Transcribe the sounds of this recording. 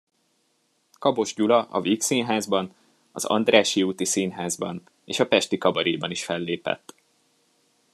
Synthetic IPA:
kɒbo̞ʒɟulɒʔɒviːksiːnɦaːzbɒn | ɒzɒ̰nd̪raːʃiuːt̪isiːnɦaːzbɒ̰n | ḛːʃɒpɛʃt̪ikɒbɒɾiːbɒniʃfɛlːeːpɛ̰t̪ː

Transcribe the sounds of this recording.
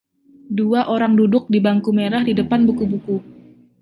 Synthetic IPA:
duaʔoɾaŋdudʊk̚dibaŋkumeɾahdidəpanbukubuku

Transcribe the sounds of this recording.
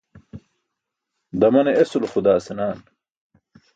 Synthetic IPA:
d̪ɐmɐneesulxud̪aːsenaːn

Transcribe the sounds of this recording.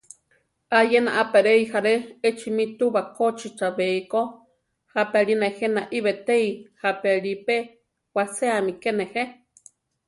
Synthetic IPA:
ʔajena̰ʔapeɾeihaɾeet͡ʃʰimit̪uβakot͡ʃit͡ʃaβeiko | hapeaɺinahenaʔiβet̪eihapeɺipe | waseamikenehe

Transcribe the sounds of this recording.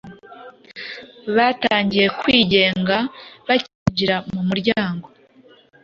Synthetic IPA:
βataːɲɟije̞kwiːɟe̞ːŋɡaβaciɟiɾamumuɾɟaːŋɡo̞

